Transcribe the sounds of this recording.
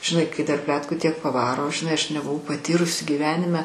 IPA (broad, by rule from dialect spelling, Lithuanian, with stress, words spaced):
ʒʲɪˈnɐɪ kɐɪ dɐr ˈpʲlʲæːtkuː ˈtʲiɛk pɐˈʋɑːroː ʒʲɪˈnɐɪ ˈɐʃ nʲɛbʊˈʋɐʊ pɐˈtʲiːrʊsʲɪ ɡʲiːˈʋʲæːnʲɪmʲɛ